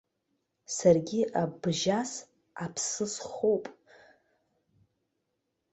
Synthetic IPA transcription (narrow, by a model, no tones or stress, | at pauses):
sarɡʲiʔabʒas | apʰsɨsχowpʼ